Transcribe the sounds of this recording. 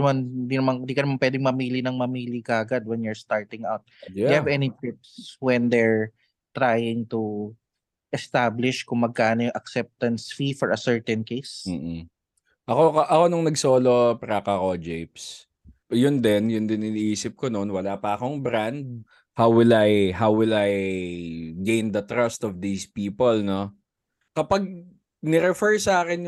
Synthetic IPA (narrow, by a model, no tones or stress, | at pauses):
nɐmannd̪inɐmand̪iːkɐnɐmanpwɛːd̪ɪŋmɐmiːlinɐŋmɐmiːlikaɐɡad̪̚wɛ̃njɛɹst̪aɹt̪ɪ̃ŋawt̪̚deɐvɛnikɪp̚swɛnd̪ɛɹ | t̪ɾajɪŋt̪u | ʔɛst̪ablɪʃkʊŋmɐɡ̚kaːnojʊŋʔɐksɛp̚t̪ɐnsfifɔɹʔɐsɛɹt̪ɛnkejs̩ː | ʔɐko̞kɐʔɐko̞nʊŋnɐɡsoːlopɾɐkɐkod͡ʒɛjps | jʊnd̪ɛnjʊnd̪ɪnɪnɪʔiːsɪp̚kononwɐlaːpɐɐko̞ŋbɾand̪̚ | hawwɪlajɦawwɪlaj | ɡẽjnd̪ɐt̪ɾɐst̪ɔvd̪iːspiːpolno | kɐpaɡ̚ | nɛɾɛfɛɹsɐaːkɪnj